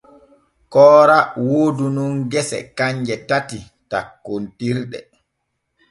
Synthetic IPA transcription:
kɔːɾawoːdununɡɛsɛ̰kaɲd͡ʒɛtati | takːontiɾɗɛ̰

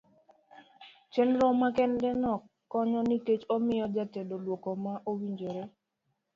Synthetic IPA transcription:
t͡ʃenɾɔmakɛndɛnɔkːɔɲɔniket͡ʃomɪjɔd͡ʒatedolwokomaʔowiɲd͡ʒoɾe

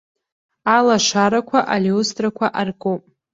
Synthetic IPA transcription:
alaʂaɾakʷʰaʔaliustʼrakʷʰaʔarkʼopʼ

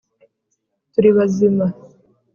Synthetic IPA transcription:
tuɾiβazima

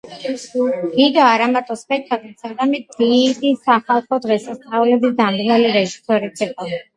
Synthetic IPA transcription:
d̥iɡ̪aːɾamaɾt̪ʼɔspʼɛk̚ʰt̪ʰʼak̪ʼisaɡamɛt̪̚d̪̥id̪isaχalˠχɔd̪ʁɛsast̪ʼaulɛbisd̪amd̪nɛliɾɛʒisɔɾit̪sʰiqʼɔ

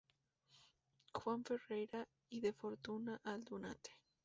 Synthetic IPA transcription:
xwaɱferejɾa | iðefoɾt̪unaʔald̪una̰t̪e̥

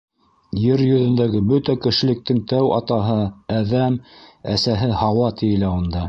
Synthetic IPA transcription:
jɘɾjɵ̆ðɵ̆nd̪æɡɘbɵt̪ækɘ̆ʃɘ̆lɘ̆k̚t̪ɘŋt̪æwɑ̰t̪ɑɦɤæðæmæsæɦɘhɑwɑt̪ɘ̆jɘ̆læund̪ɑ

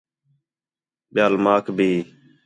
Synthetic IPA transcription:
ɓjaːlmaːkʰbʱiː

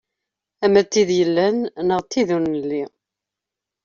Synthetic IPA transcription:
æmæt̪ːiðjəlːænnəʁt̪ːiðunəlːi

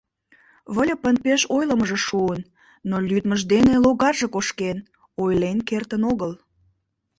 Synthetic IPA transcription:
βəlʲepənpeʃojləməʒeʃuənː | olʲyd̪məʒd̪eneloɣɑrʒekoʃken | ojlenkert̪ənoɣəl

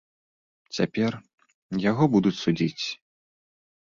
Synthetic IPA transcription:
t͡sʲapʲɛr | jaɣɔbud̪ut͡sʲsud͡zʲit͡sʲ

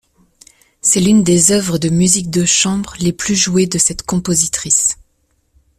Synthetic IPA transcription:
sɛlynd̪ezœvʁəd̪əmyzik̚d̪əʃɑ̃bʁleplyʒued̪əsɛt̪kɔ̃pozit̪χis

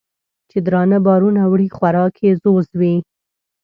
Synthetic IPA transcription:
t͡ʃed̪ɾɑnabɑɾunawɽixwaɾɑkʰezozwi

